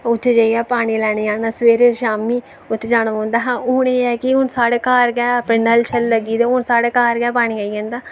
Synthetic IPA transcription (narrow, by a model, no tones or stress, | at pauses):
ʊt̪ʰːed͡ʒaːiɛːpaːɽ̃iːlɛːniːaːnaːsʋeːɾeːʃaːmiː | ʊt̪ʰːed͡ʒaːñʋõːnd̪aːɦãːʊneːɛːkɪɦʊnsaːɽeːkaːɾɡɛːpɪnːəlt͡ʃʰəlːəɡiːd̪eːʊnsaːɽeːkaːɾɡɛːpaːɽ̃iːaːiãːnd̪aː